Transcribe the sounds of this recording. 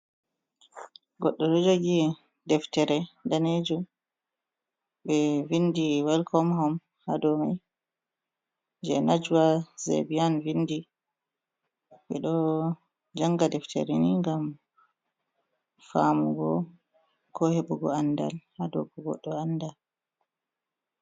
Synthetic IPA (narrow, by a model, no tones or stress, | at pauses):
ɡɔɗːɔɗɔd͡ʒoɡi | dɛftɛɾɛdaned͡ʒum | ɓɛvindiwalkʰɔmɦɔm | hadɔmi | d͡ʒɛnad͡ʒuwazḛbijanvinːdi | ɓɛɗɔ | d͡ʒaŋɡadɛftʰɛ̰ɾɛniŋɡam | famuɡɔ̰ | kʰɔhebuɡɔanda̰lhadɔ̰ɡɔɡɔ̰ɗːɔandal